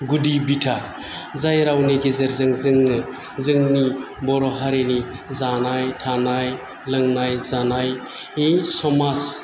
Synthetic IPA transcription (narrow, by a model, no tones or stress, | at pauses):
ɡudibitʰa | zajɾawniɡezeɾzɯŋzɯŋnɯ | zɯŋni | bɔɾɔɦaɾeni | zanajtʰanaj | lɯŋnajzanaj | isɔmas